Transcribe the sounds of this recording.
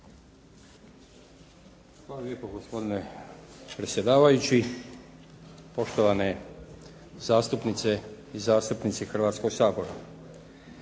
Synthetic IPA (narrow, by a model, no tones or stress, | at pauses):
xlaːalʲjepoɡospo̞d̪inepɾe̞t̪sje̞d̪aːʋajut͡ɕi | po̞ʃt̪oʋane̞ | zaːst̪upnit̪se̞ | izaːst̪upnit̪sixr̩ʋaːt̪sko̞ɡsaːbo̞ɾa̰